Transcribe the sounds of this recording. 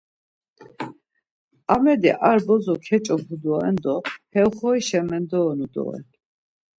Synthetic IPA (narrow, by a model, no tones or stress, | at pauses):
amɛd̪ɛʔaɾbɔzɔkʰɛt͡ʃʼɔpʰud̪ɔɛnd̪ɔhɛwχɔiʃɛmɛnd̪ɔːnud̪ɔ̰ɛ̰